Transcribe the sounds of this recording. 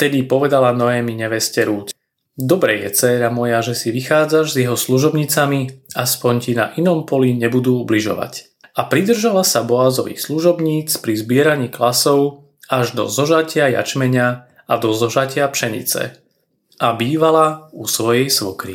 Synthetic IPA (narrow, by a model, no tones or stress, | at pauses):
ft̪ɛd̪ipɔʋɛd̪alanɔɛːmiɲɛʋɛscɛɾuːt͡s | d̪ɔbɾɛjɛ̰t͡sɛːɾamɔjaʒɛsiʋixaːd͡zaʒzjɛɦɔsluʒɔbɲit͡samiaspɔɲcina̰ʔinɔmpɔliɲɛbud̪uːubliʒɔ̰ʋa̰c | apɾid̪r̩ʒalasabɔaːzɔʋḭːxsluʒɔbɲiːt͡spɾizbɪɛɾaɲiːklasɔʊ | aʒd̪ɔ̰zɔʒacɪaja̰t͡ʃmɛɲa | ad̪ɔzɔʒacɪapʃɛɲḭt͡sɛ̰ | ʔabiːʋalausʋɔjɛjsʋɔkɾḭ